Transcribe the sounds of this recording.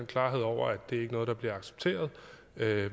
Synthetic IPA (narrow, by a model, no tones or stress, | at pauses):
nkʰlɑ̈ːɦe̝ð̞̰ˠɒʊ̰ɐæd̥e̝æɐe̝ɡ̥ənɔ̽ːð̞ˠd̥ɑ̈b̥liɐɑ̈ɡ̥se̥b̥t͡sʰe̝̰ːɐð̞ˠ | ø